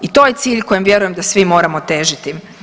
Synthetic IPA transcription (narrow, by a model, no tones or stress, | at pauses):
it̪o̞ːjet̪siːʎko̞jemʋje̞ɾujemd̪asʋimo̞ːɾamo̞t̪eːʒit̪i